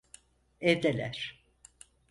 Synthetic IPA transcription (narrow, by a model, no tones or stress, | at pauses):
ɛvd̪elʲæ̰ɾ̥